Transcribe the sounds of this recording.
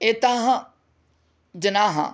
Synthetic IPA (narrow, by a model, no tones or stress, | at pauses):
et̪ãːɦa | d͡ʒənaːɦã̰